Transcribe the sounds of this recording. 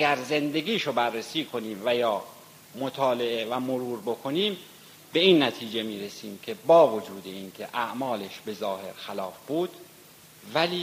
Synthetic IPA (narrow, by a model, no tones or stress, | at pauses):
æɡæɾze̞nd̪eɡʲiːʃobærːesiːkʰo̞niːmvæjɒː | mot̪ʰɒːleevæmoɾuːɾbo̞kʰo̞niːm | be̞inːæt̪ʰiːd͡ʒe̞miːɾesiːmcʰe̞bɒːvod͡ʒuːd̪eiːnkʰeʔæʔmɒːleʃbe̞zɒːhe̞ɾxælɒːfbuːd̪̥ | væliː